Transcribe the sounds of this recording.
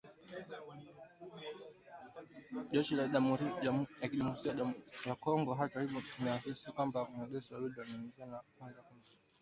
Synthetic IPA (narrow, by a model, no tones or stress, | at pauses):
ʄɛʃilamɾjakiɗimusiajakɔŋɡɔɦataɾiɓutumɛasisikwambaunaɓɛsiwaɾuɗiwanɛnzianakwanzakum̩z